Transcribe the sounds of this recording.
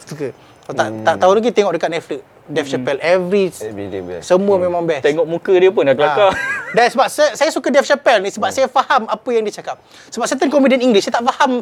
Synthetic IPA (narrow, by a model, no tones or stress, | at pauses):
sukə | t̪a̰ʔt̪aʔt̪aulaɡit̪eŋɔʔ̚dəkat̪̚nɛfləʔ̚ | dɛft͡ʃapɛlʔɛvɾissəmũəmemãŋbɛt̪eŋɔʔ̚mukədiəp̬ʊnaʔklakadansəbap̚səsajasukadɛfʃapɛlnisəbap̚sajafahamapəjaŋdiət͡ʃakap̚ | səbap̚sət̪ənkɔmidiəniŋɡlisajat̪aʔfaham